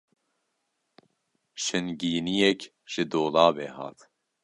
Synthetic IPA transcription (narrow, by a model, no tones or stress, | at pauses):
ʃɨnɡiːnijɛk | ʒ̥ɨd̪oːlɑːbɛːhɑ̰ːt̪